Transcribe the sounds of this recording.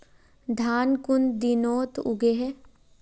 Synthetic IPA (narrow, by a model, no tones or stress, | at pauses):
d̪ʱaːnkʊnd̪inoːt̪ʊ̰ɡeɦɛ